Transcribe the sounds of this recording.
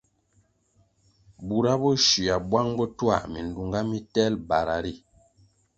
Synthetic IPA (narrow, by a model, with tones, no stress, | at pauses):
bu˨ɾa˦bɔ˦ʃi˨a˨bwa˦ŋbɔ˦twa̰˦˨mi˨n˨du˨ŋɡa˦mi˦tɛ˦lba˨ɾa˨ɾi˦˨